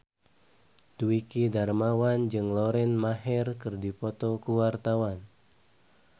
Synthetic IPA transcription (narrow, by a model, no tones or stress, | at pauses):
d̥uikidarmawand͡ʒɨŋlɔɾɛnmaɦɪrkɨrdipɔt̪ɔkuwart̪awan